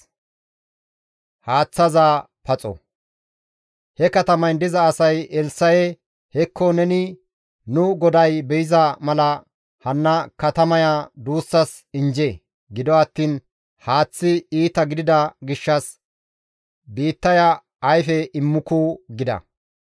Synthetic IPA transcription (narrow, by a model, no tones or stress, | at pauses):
haːt͡sːɐzaː | pɐt͡sʼɔ̰ | hɛkɐt̪ɐmɐjnd̪ɪzɐːsɐjɛlsɐjɛ | hɛkʰːɔnɛnɪ | nʊɡɔd̪ɐjbɛjɪzɐmɐlɐ | hɐnːɐkɐt̪ɐmɐjad̪uːsːɐs | ɪnd͡ʒeː | ɡɪd̪ɔɐt̪ːiːn | haːt͡sːɪiːt̪ɐɡɪd̪ɪd̪ɐɡɪʃːɐs | biːt̪ːɐjɐː | jfɛʔɪmːʊkuɡɪd̪ɐ̰